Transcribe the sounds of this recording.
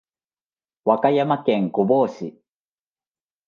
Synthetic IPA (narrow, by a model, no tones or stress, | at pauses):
wakajamakẽŋkoboːɕi